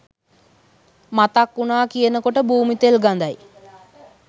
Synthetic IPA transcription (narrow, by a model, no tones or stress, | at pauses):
mat̪akːunaːkijənəkoʈəbuːmit̪elɡand̪aj